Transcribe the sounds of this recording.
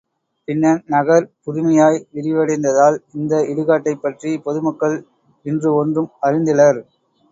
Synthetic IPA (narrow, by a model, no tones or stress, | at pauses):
pɪnːɐnnɐɣɐɾpʊɾɪmɐjaːjʋɪɾɪʋɐɽɐɪnd̪ɐðaːlɪnd̪ɐɪɽɯɣaːʈːɐɪpːɐʈripɔðɯmɐkːɐɭ | ɪndrɯɔndrɯmɐɾɪnd̪ɪlɐɾ